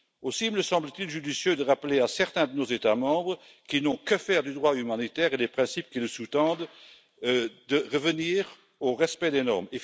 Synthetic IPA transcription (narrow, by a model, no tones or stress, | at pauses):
osimələsɑ̃blət̪ilʒyd̪isjød̪əʁapleasɛʁt̪ɛ̃d̪ənozet̪amɑ̃bʁə | kinɔ̃kəfɛːʁd̪yd̪ʁwaymanit̪ɛːʁed̪epχɛ̃sip̚kiləsut̪ɑ̃d̪ | d̪əʁəvəniːʁ | oʁɛspɛd̪enɔʁme